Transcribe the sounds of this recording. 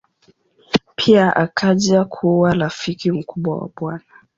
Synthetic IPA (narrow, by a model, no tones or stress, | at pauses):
pʰiaʔakʰaʄakʰuaɾafikim̩kuɓwa̰wa̰ɓwana